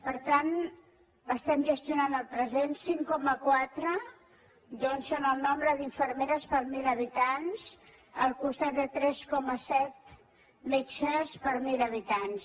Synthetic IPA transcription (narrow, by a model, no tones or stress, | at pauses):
pəɾt̪an | əst̪ɛmʒəst̪junanəlˠpɾəzensiŋkɔməkwat̪ɾə | d̪ɔnsənəlˠnɔmbɾəðiɱfəɾmeɾəspəɾmiləβ̞it̪ans | əlˠkust̪at̪̚d̪ət̪ɾɛskɔməsɛt̪̚ | mɛt͡ʃəspəɾmiləβ̞it̪ans